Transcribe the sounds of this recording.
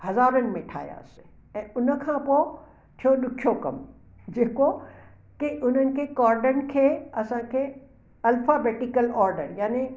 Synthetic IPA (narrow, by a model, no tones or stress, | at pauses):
hɐzaːɾənɪ̆mẽʈʰa̰ːja̰ːsɪ̥ | ɛ̃ːʊnəkʰãːpo | t͡ɕʰoɗʊkʰjokɐ̰m | d͡ʑeːko | kiʔʊn̤ənɪ̆kʰeːkɔːɾɖən̆kʰeːɐsãkʰeː | ɐlfabeːʈikəlɔːɾɖəɾjaːni